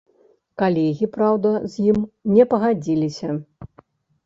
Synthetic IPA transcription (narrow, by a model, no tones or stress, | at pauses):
kalʲɛɣʲipɾawd̪ɐzʲjimnʲɛpɐɣad͡zʲilʲisʲɐ